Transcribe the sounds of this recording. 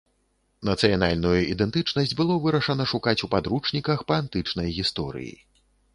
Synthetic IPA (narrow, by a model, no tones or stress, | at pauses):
nɐt̪sɨjanalʲnujuʔid̪ɛnt̪ɨt͡ʂnɐsʲd͡zʲbɨlˠɔvɨɾɐʂɐnɐʂukat͡sʲupad̪ɾut͡ʂnʲikɐxpɐant̪ɨt͡ʂnɐjɣʲist̪ɔ̰ɾɨ̰jḭ